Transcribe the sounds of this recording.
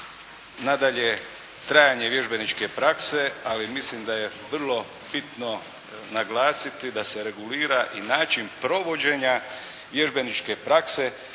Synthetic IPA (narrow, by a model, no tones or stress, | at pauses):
nad̪aʎe | t̪ɾajaɲe̞ʋje̞ʒbe̞nit͡ʃke̞pɾakse̞alimislimd̪aje̞ʋr̩lˠo̞ | b̥it̪no̞ | naɡlaːsit̪id̪ase̞ɾe̞ɡuliːɾaʔinaːt͡ʃinpɾo̞ʋo̞d͡ʑe̞ɲa | ʋje̞ʒbe̞nit͡ʃke̞pɾakse̞